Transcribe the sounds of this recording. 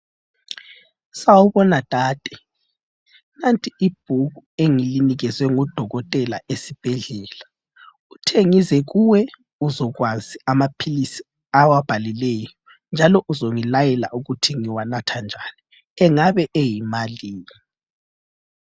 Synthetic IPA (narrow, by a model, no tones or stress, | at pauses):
sawuβɔnad̥ʼʱaːd̥ʱɛ | nantʼiib̥̚ʱuɣueŋiliniɣɛzwɛŋɔd̥ʱɔɣɔtʼɛlaʔesib̥ʱɛɮɛːla | utʰeŋizɛɣuwɛ | uzɔɣwaziamapʰilisi | awab̥ʱalilɛjɔ | nd͡ʒʱalɔʔuzoŋilajɛla̰ʔuɣutʰiŋiwanatʰand͡ʒʱaːni | ɛŋaβɛʔejimaliːni